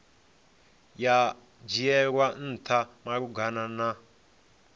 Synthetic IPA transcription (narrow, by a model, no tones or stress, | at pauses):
ja | d͡ʒiɛɺwan̩tʰamaɾuɡanana